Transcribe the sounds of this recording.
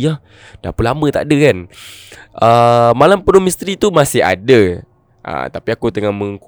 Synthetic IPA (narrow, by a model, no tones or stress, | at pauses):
ah | da̰pulamə̃t̪aʔdəkan | ʔəmalampənomist̪ɾit̪umasɪɦa̰də | ʔə̰t̪apiakut̪əŋahməŋk